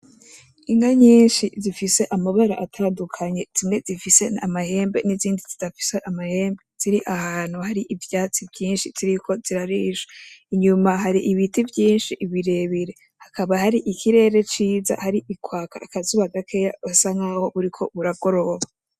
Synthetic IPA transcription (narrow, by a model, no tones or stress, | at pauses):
iŋɡaɲiːnʃizifise̞ʔamaβaɾa̰ʔatʰaːndukʰaɲe̞z̥imŋe̞zifise̞na̰mahe̞ːmbeniziːndizidafi̥seʔamahe̞ːmbez̥iɾiʔahaːn̥huhaɾiʔivjaːt͡sibjiːnʃiz̥iɾiko̞z̥iɾaɾiːʃḁiɲumaɦaɾiʔiβitivjiːnʃiʔiβiɾe̞βiɾe̞ | hakʰaβahaɾiʔikʰiɾe̞ːɾe̞t͡ʃiːza̰haɾiʔikwaːkʰa̰ːkazuβaɡakʰejaβasaŋɡaːho̞βuɾikʰo̞βuɾaɡo̞ɾo̞βa